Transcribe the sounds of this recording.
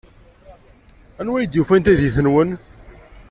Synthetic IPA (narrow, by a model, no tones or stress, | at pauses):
ænwæjəd̪jufænt̪æðiθənwən